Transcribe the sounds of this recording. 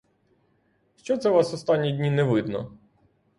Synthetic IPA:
ʃt͡ʃɔt̪sɛʋɑsɔst̪ɑnʲːidʲnʲinɛʋɪd̪nɔ̰

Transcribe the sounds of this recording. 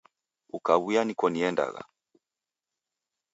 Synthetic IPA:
ukaβujanikɔniɛnda̰ɣa̰

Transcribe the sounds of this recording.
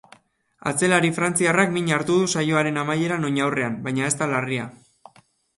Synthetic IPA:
a̰t͡se̞laɾifɾant͡siarakmiɲaɾt̪uð̞usajoaɾe̞namaje̞ɾano̞ɲawre̞ambajɲae̞st̪alaria

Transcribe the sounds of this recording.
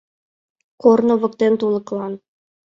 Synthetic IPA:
qornovɤ̆kt̪ɘnt̪ulˠɤ̆qlˠɑn

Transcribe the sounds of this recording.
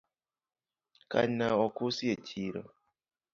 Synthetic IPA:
ka̰naɔkusiet͡ʃʰiɾɔ̰

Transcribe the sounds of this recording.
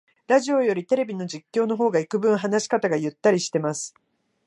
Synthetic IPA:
ɾaʑio̞jo̞ɾʲit̪e̞ɾe̞bʲino̞d͡ʑikʲːo̞ːno̞ɦo̞ːɡaikɯ̟bɯ̟̃ɰ̃ɦanaɕi̥kat̪aɡajɯ̟t̪ːaɾʲiɕi̥t̪e̞masɨ̥

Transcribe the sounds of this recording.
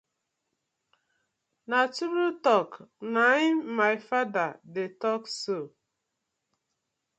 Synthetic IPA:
natuɾutɔknaɪmaɪfadadetɔkso

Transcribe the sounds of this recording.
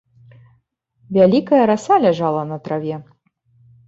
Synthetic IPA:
vʲalʲikɐjɐɾasalʲaʐalˠɐnɐt̪ɾavʲɛ

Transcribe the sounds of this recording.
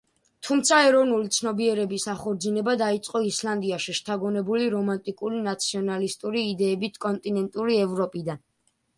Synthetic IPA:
t̪ʰumt̪sʰaɛɾɔvnulit̪sʰnɔbiɛɾɛbisaχɔɾd̪zinɛbad̪ait̪sʼqʼɔisland̪iaʃiʃt̪ʰaɡɔnɛbuliɾɔmant̪ʼikʼuɾinat̪sʰiɔnalist̪ʼuɾiːd̪ɛːbit̪ʰkʼɔnt̪ʼinɛnt̪ʼuɾiɛvɾɔpʼid̪an

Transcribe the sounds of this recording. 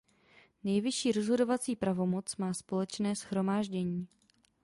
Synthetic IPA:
nɛjvɪʃiːɾo̞zɦo̞do̞vat͡siːpɾavo̞mo̞t͡smaːspo̞lɛt͡ʃnɛːsxɾo̞maːʒɟɛɲiː

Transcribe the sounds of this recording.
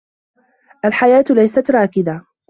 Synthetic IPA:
ʔalħajaːt̪lajsat̪ɾˤɑːkɪba

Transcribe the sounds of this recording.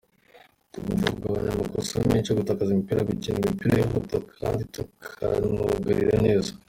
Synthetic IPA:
tuɡuvukuɡaβaɲamakosumeːnt͡ʃoɡutakazimipiɾaɡuciːnɡimipiɾajoɦutakʰaːnditukʰa̰nuɡaɾḭɾane̞ːza

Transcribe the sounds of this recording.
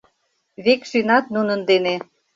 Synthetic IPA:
βekʃynɑt̪̚nunə̆nd̪ene

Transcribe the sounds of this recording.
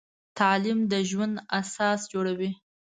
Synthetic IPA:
t̪alimd̪əʒwand̪asɑsd͡ʒoɽawi

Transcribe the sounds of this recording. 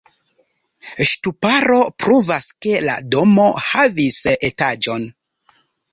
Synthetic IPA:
ʃtupaɾo̞pɾuvaske̞la̰do̞mo̞havisetad͡ʒo̞n

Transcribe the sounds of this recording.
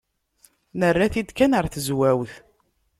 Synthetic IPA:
nərːaθid̪kænəɾθəzwæwθ

